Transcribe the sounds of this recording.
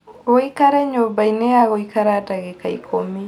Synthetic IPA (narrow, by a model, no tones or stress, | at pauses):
ɣoikaɾɛɲobainɛaɣoikaɾadaɣekaḭkʰomi